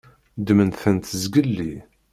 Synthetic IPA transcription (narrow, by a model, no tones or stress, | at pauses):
d̪mənθənt̪əzɡəlːi